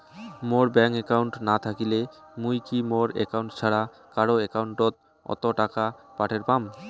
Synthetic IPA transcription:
moɾbɛŋkekawɳʈnat̪ʰakile | mujkimoɾḛkawɳʈt͡ɕʰaɽa | kaɽoekawɳʈɾot̪̚ | ɔ̰t̪oʈakapaʈʰeɾpam

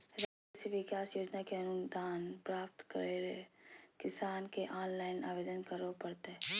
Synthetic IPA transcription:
ɾaː | eseʋɪkaːsjoːd͡ʒnakeɐnʊd̪aːnpɾaːp̚t̪kəɾeɾekɪsaːnkeʔaːnlaːɪna̰ːʋeːd̪ənkɐɾopɐɽt̪eɛ

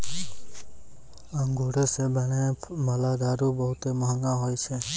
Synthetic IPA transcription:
aŋɡʱuɽesebɛɽ̃emalaɡ̪aɾubɔɦut̪emɔɦɔŋɡaɦojt͡ʃʰe

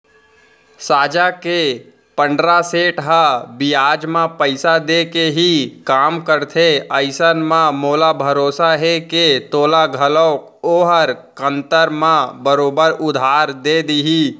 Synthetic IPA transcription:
saːd͡ʒake | pə̃ɳɖɾaseːʈɦəbijaːd͡ʒmãpəɪsad̪ekeɦikaːmkəɾt̪ʰeəɪsənmãmoːlabʱəɾoːsaɦeket̪oːlaɡʱəlɔːk | oːɦəɾkə̃nt̪əɾmãbəɾoːbəɾʊd̪ʱaːɾd̪ed̪iɦi

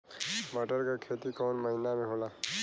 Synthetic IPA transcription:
məʈəɾkakʰet̪ikɔːnməɦinameɦola

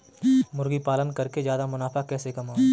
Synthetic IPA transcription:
mʊɾɡipaːlənkɐɾkezjaːd̪amʊnaːfakɛːsekɐmaː

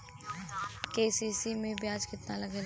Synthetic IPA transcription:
keːsiːsimẽbʱjaːd͡ʒkɪt̪nalɐɡe

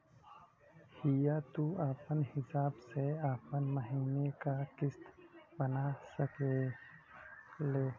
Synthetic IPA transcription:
hijat̪uaːpənhɪsaːbseaːpənməɦiːnekakɪst̪bənasəke | le

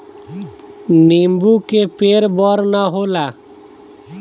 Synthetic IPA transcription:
niːmbuːkepeːɾbɔːɾnaɦoːlaː

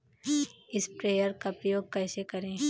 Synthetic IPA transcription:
ɪspɾeːjəɾkapɾɐjoːɡ̚kɛːsekɐɾẽː

